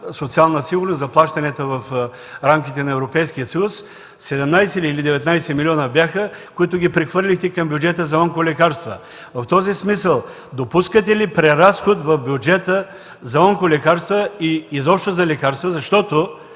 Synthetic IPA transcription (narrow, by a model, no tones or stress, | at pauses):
sot̪sialˠnəsiɡʊɾnoszɐplˠaʃt̪ɐnʲɛt̪əvɐf | ɾamk̟it̪ɛnɐɛvɾopɛjsk̟ijəsɐjusː | ɛd̪ɛmnajsɛlilid̪ɛvɛt̪najsɛmilʲiɔnəbjaxəkʊit̪ʊɡʲipɾɛxvɤɾlʲixt̪ɛkɐmbʲjʊd͡ʒɛt̪əzɐoŋkolʲɛkaɾst̪və̰ | vɐft̪ɔzismisəlˠ | d̪opuskət̪̬ɛlipɾɛɾasxot̪vɐfbʲjʊd͡ʒɛt̪ə | zɐɔŋkolɛkaɾst̪vəiːzɔpʃt̪ozɐlɛkaɾst̪vəzɐʃt̪ɔt̪o